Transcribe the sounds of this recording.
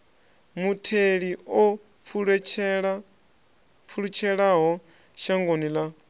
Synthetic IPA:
mutʰeɺiɔ | uɺ | fʰuɺut͡ʃʰɛɺaɦɔ | ʃaŋɡonila

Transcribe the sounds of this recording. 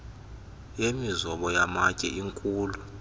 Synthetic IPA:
jemizɔɓɔjamacʼɛ̰ʔiŋkʼuːlu

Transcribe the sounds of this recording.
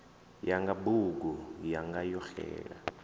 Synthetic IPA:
jaŋɡaɓuɡ̬ujaŋɡajɔxɛ̰ːɺa̰

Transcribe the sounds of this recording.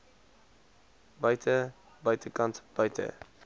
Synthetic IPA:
bɐjtʰə | bɐjtəkɐntb̥ɐjtʰə̰

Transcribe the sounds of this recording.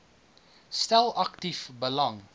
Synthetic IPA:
stælɐktifbəlɐŋ

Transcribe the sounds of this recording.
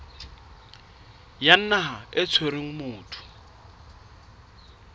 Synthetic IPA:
jan̩naɦaɪt͡sʰweɾeŋ̩mʊːtʰʊ̥

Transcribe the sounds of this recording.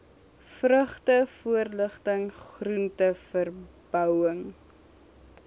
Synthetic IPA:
frəχtəfuərləχtəŋχruntəfərb̥œwəŋ

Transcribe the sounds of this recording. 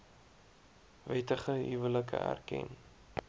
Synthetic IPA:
vɛtəχəɦivələkə̰æ̰rkɛ̰n

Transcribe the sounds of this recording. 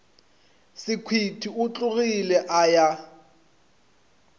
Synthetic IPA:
sɪkʰwitʰiʊt͡ɬʼʊɣilɛʔaja

